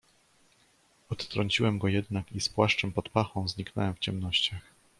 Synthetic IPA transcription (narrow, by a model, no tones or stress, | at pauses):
ɔt̪t̪ɾɔɲt͡ɕiwɛmɡɔjɛd̪nakispwaʂt͡ʂɛmpɔt̪paxɔ̃w̃zɲiknɔ̰wɛmft͡ɕɛmnɔɕt͡ɕax